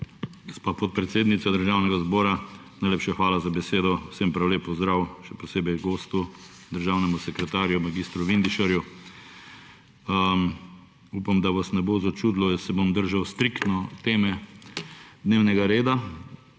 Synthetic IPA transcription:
ɡɔspaːpɔt̪̚pɾɛt̪seːd̪nit̪sad̪əɾʒawnɛɡazbɔːɾa | najleːpʃaxʋaːlazabɛseːd̪ɔsɛmpɾawleːpɔzd̪ɾawʃɛpɔseːbɛjɡoːst̪u | d̪əɾʒawnɛmusɛkɾɛt̪aːɾjumaɡiːst̪ɾuʋind̪iʃaɾju | upamd̪aʋasnɛbozat͡ʃuːd̪lɔjɛsɛbomd̪əɾʒawst̪ɾikt̪nɔt̪eːmɛ | d̪neːwnɛɡaɾeːd̪a

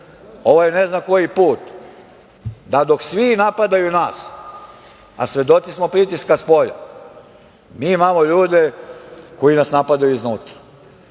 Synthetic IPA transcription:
o̞ʋojeneznamkojipuːt̪ | d̪ad̪o̞ksʋinapad̪ajunaːs | a̰sʋʲe̞d̪o̞t̪sismo̞pɾit̪iskaspo̞ʎa̰ | miimaːmoʎuːd̪eko̞jinasnapad̪ajuiznuːt̪ḁ

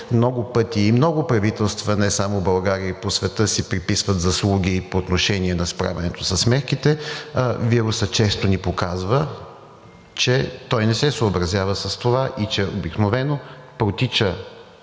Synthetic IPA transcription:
mnɔɡʊpɤt̪iːmnɔɡʊpɾɐvit̪ɛlˠst̪vənɛsamobɐlˠɡaɾiəposvɛt̪ɤsipɾipisvət̪zɐslˠuɡʲipoːt̪noʃɛniɛnɐspɾa̰vɛnɛt̪osəsmɛt̪k̟it̪ɛ | viɾʊsət͡ʃɛst̪onipokazvə | t͡ʃɛt̪ɔjnɛsɛsoːbɾɐzʲjavəsəst̪ovaʔit͡ʃɛobiknovɛnopɾot̪it͡ʃə

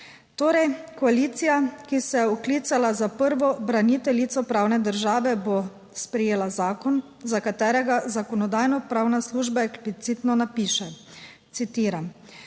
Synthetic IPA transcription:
t̪oːɾɛjkɔaliːt̪sijakisɛjɛɔkliːt̪salazapəɾʋɔbɾanit̪ɛlit̪sɔpɾawnɛd̪əɾʒaːʋɛbo | spɾɛjeːlazaːkɔn | zakat̪ɛːɾɛɡazakɔnɔd̪aːjnɔpɾaːwnasluːʒbaeksplit̪sit̪nɔnapiːʃɛ | t̪sit̪iːɾam

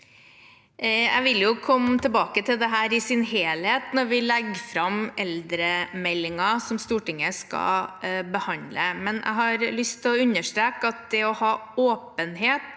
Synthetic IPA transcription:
æ̰ɪʋɪljʊkʰɔmːt̪ʰəbɑːkət̪ʰɪld̪ɛɦæːɾɪsɪnɦeːlheːt̪nɔɾʋɪlɛɡfɾɑmʔɛld̪ɾəmɛlːɪŋɑsɔmst̪uːʈɪŋːəskɑ̰bəhɑnd̪ləmɛnʔæ̰ɪɦɑɾlʏst̪ʰːɪlɔʉnːəʂt̪ɾeːkɑt̪̚d̪ɛɔhɑːoːpənɦeːt̪

